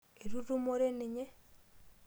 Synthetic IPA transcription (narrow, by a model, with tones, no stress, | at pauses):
e˨ɾu˦ɾu˦mo˦ɾe˦ni˨ɲe˦